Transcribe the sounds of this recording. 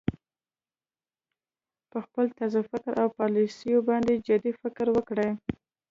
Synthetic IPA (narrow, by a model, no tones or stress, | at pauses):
pəxpəlt̪azafɪkɾʔawpɑlisəjobɑnd̪ed͡ʒɪd̪ifɪkɾwəkɽəj